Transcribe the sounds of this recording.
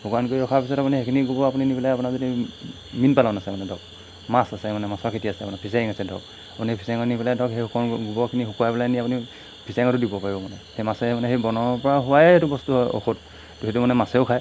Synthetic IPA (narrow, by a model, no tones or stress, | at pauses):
hukankoiɔkʰaɹpis̬ɔtapunihekʰiniɡubɔapuninipilajapunazodi | minpalanasɛmanɛdɔk̚ | masasɛmanɛmasɔɹkʰitiasɛapunapʰisaiŋasɛdɔ̰k̚ | apunipʰisaŋɔnipiladɔkɦejɦukɔnɡubɔkʰiniɦukuajpɛlaniapuni | pʰisɛŋɔtʊdibɔpaɹibɔmanɛhejmasɛmanɛɦejbɔnɔɔpɔɹaɦʊwajtubɔstuɦɔjʔo̰xʰut̚ | duɦetumanɛmasɛʊkʰaj